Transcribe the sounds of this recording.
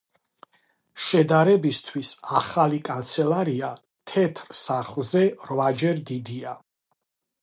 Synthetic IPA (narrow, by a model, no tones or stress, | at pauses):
ʃɛd̪aɾɛbist̪ʰwisaχalikʼant̪sʰɛlaɾia | t̪ʰɛt̪ʰɾsaχlˠzɛɾvad͡ʒɛɾd̪id̪ia